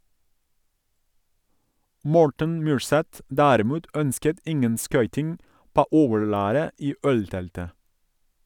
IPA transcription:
ˈmɔɹʈən ˈmyːɹˌsɛt ˈdæːɾɪˌmuːt ˈœnskət ˈɪŋən ˈskœʏtɪŋ ˈpoː ˈoːʋəɹˌlæːɾə ˈiː ˈœlˌtɛltə

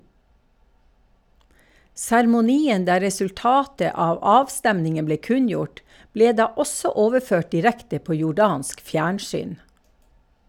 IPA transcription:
sæɾmʊˈniːən ˈdæː ɾɛsʉlˈtɑːtə ˈɑːʋ ˈɑːʋˌstɛmnɪŋən ˈbleː ˈkʉnˌjʊʈ ˈbleː ˈdɑː ˈɔsɔ ˈoːʋəˌføːʈ dɪˈɾɛktə ˈpoː jʊˈɖɑːnsk ˈfjæːɳˌsyːn

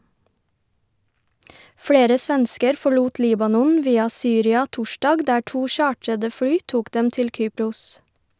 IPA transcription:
ˈfɽeːɾə ˈsʋɛnskəɾ fɔˈɭuːt ˈliːbɑnɔn ˈʋiːɑ ˈsyːɾɪɑ ˈtʊˌʃdɑːɡ ˈdæː ˈʈuː ˈʃɑːʈɾədə ˈfɽyː ˈtuːk ˈdɛm ˈtɪl ˈkyːpɾʊs

